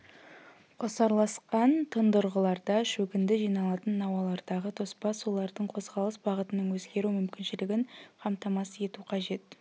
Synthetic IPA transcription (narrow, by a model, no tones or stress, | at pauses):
qʰosɑɾlˠɑsqɑnt̪ʰənd̪ʊɾʁəlˠɑɾd̪ɑʃɵɡʲɪnd̪ɪʒijnɑlˠɑt̪ənːɑwɑlˠɑɾd̪ɑʁət̪ʰo̞spɑsulˠɑɾd̪əɴqʰo̞zʁɑlˠəsbɑʁət̪ənəɴwɵzɡʲe̞ɾumʏmkʲɪnʃɪlɪɡʲɪɴqʰɑmt̪ɑmɑsəe̞t̪uqʰɑʒe̞t̪